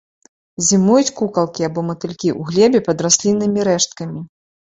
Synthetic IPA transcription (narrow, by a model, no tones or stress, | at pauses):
zʲimujut͡sʲkukɐlˠkʲiabɔmɐt̪ɨlʲkʲiʔuɣlʲɛbʲɛpɐd̪rasʲlʲinːɨmʲiɾɛʂt̪̚kɐmʲi